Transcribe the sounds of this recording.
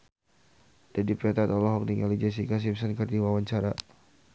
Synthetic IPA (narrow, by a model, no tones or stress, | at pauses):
d̥adipɾɛt̪at̪ɔlɔɦɔk̚diŋalid͡ʒas̬ikas̬imsənkərdiwawaɲt͡ʃaɾa